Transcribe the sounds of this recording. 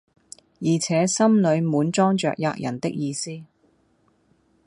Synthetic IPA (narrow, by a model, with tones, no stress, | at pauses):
jiː˨˩t͡sʰɛː˨˧˥sɐ˥mlɵ˨˧ɥmuː˨˥nt͡sɔː˥ŋt͡ʃœ̰ː˨k̚ja̰ː˧k̚jʔɐ̰˨˩nt̪ɪ˥k̚jiː˧siː˥